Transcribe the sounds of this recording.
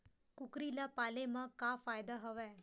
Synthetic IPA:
kukɾilapalemãkafajd̪aɦəʋe

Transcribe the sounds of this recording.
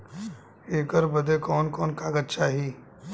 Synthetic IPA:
eːkəɾbəd̪ekɔːnkɔːnkaːɡət̪t͡ʃaːɦiː

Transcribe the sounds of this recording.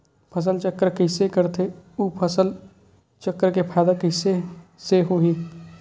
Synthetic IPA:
pʰəs̬əlt͡ʃəkːəɾkɪsekəɾt̪ʰeuːpʰəsəl | t͡ʃəkːəɾkepʰaːd̪akɪseseɦoːɦiː

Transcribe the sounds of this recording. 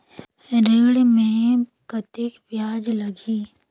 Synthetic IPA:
ɾeːɽmẽkɐt̪ekʋjaːd͡ʒlɐɡiː

